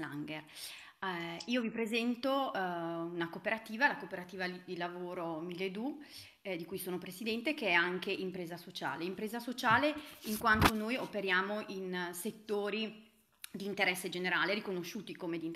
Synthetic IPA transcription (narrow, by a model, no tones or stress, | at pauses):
la̰ŋɡer | iːovipɾezɛnt̪o | unakopeɾat̪iːvalakopeɾat̪iːvad̪ilavoːɾomilːed̪u | d̪ikujsoːnopɾesid̪ɛnt̪ekeɛaŋkeʔimpɾeːzasot͡ʃa̰ːleimpɾeːzasot͡ʃaːleiŋkwant̪onojopeɾjaːmoʔinset̪ːoːɾi | d̪iːnt̪eɾɛsːed͡ʒeneɾaːleɾikonoʃːuːt̪ikomed̪in